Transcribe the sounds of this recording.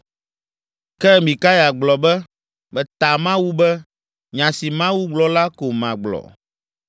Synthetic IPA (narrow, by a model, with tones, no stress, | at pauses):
kɛ˦mĩ˨ka˦ja˨ɡ͡blɔ˨bɛ˦ | bɛ˨t̪a˨mã˦wu˦bɛ˦ | ɲã˨si˨mã˦wu˦ɡ͡blɔ˨la˦ko˨mã̰˨ɡ͡blɔ̰˨